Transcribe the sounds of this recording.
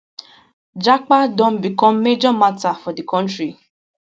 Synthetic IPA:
d͡ʒak͡padõm̩bikɔ̃m̩med͡ʒɔmatafɔdikɔ̃ntɾi

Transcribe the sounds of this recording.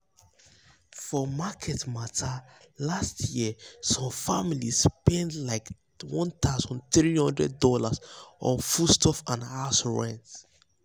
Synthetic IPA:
fɔmakʰɛtmatʰa | lastʰjisɔ̃mfamilispɛ̃ndlaɪk | wɔ̃nt̪ʰaʊzɔ̃ntɹihɔ̃ndɹɛd̚dɔlasɔ̰fustʰɔfãnasɹɛ̃nt

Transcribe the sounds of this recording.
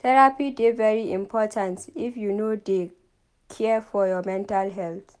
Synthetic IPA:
tɛɹapidevɛɹiĩmpʰɔtʰãntifjunode | kʰɛfɔjɔmɛ̃ntalɦɛlt

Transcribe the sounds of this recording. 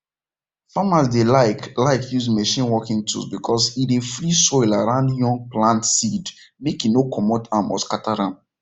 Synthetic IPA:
famas̬delaɪklaɪkʰjuzmɛʃĩnwɔkĩŋtʰṵsbikʰɔsidefɾisɔɪlaɹãʊ̃ndjɔ̃ŋɡ̚plãntsidmekinokʰɔmɔtamɔ̰skatʰaɾãm

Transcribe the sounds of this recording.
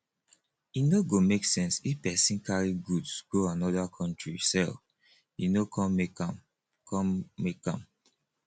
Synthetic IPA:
inoɡomeksɛ̃nsifpɛsĩnkʰaɹiɡudsɡ̥oãnɔdakʰɔ̃ntɹisɛl | inokʰɔ̃mmekãm | kʰɔ̃mmekã̰m

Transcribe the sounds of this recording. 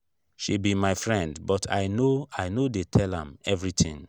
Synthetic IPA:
ʃibimaɪfɹɛ̃ndbɔtʰa̰ɪnoaɪnodetʰɛlã̰mɛvɹitʰɪ̰̃ŋ

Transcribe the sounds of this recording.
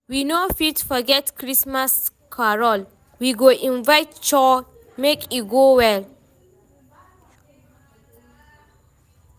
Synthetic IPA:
winofitfɔɡɛtkɹismas | kʰaɹɔl | wiɡoʔĩnvajtt͡ʃɔ | mekʰiɡowɛl

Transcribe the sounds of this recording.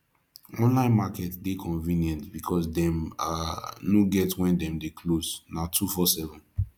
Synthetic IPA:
ɔ̃nlãɪ̃nmakɛtdekʰɔ̃ɱvĩnjɛ̃ntbikʰɔsdɛ̃manoɡɛtwɛ̃ndɛ̃mdekʰloznatʰufɔsɛvɔ̃n

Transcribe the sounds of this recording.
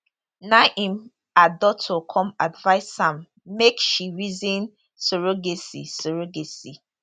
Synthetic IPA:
naʔĩm | adɔtʰokʰɔ̃madvaɪsːãmː | ekʃiɹizĩn | soɹoɡesisoɹoɡesi

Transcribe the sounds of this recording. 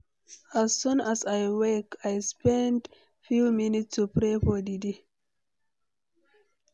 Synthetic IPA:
azːũnazajwekʰajspɛ̃nd | fjuminitsupɾefɔdidi

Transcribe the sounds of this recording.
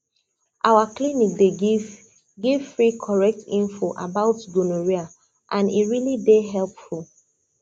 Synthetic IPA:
ʔawaklinik̚deɡiv | ɡiv̥fɹikʰɔɹɛk̚tʰĩnfoʔa̰baʊtɡonoɹia | ʔãnḭɹilideɦɛlpful

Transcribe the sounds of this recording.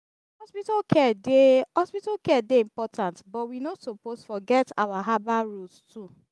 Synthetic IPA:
hɔspitɔkʰɛdehɔspitakɛdeĩmpɔtʰãntbɔtwinosoposfɔɡɛta̰waɦabaɹustʰu

